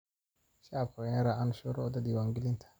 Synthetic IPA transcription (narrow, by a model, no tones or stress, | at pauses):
ʃabkʰɔnaɾaʔanʃɔɾɔd̪ad̪iwaŋɡɪlɪnt̪ʰḁ